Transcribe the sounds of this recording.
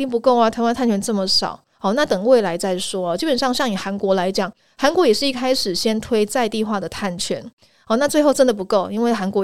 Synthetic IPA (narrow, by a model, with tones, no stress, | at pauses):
i˥ŋp̬u˧˥ko˥˩ʊa˨˩t̪ʰwa˥nt̪ʰa˥˩nt͡ɕʰɥɛ˧˥nʈ͡ʂə˥˩mə˩ʂɑ̰˨˩˦ʊ | ɔ˥˩na˥˩t̪ɤ˨˩ŋwe˥˩ɪla˧˥ɪt͡sa˥˩ɪʂwɔ˥ɐ˨t͡ɕi˥˩pə˨˩nʂɑ˥˧ŋɕjɑ˥˩ŋi˨˩xa˧˥nkwɔ˧˥la˧˥ɪt͡ɕjɑ˨˩˦ŋ | xa˧˥nkwɔ˧˥jɛ˨˩ʂɻ̩˥˧i˥˩kʰa˥ɪʂɻ̩˨˩ɕjɛ˥nt̪ʰwe˥ɪt͡sa˥˧ɪt̪i˥˧xwa˥˩d̪ə˩t̪ʰa˥˩nt͡ɕʰɥɛ˧˥n | ɔ˥˧˩na˥˧t͡swe˥˧ɪxo˥˩ʊʈ͡ʂə˦˥nd̪ə˨p̬u˧˥ko˥˩ʊi˥nwe˥˩ɪxa˧˥nkwɔ˧